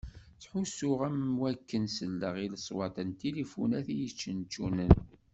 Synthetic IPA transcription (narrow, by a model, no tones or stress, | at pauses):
t͡sħusʊʁæmwækːənsəlːəʁiləsˤwɑt̪ˤənt̪ilifṵnæθijət͡ʃːənt͡ʃːunən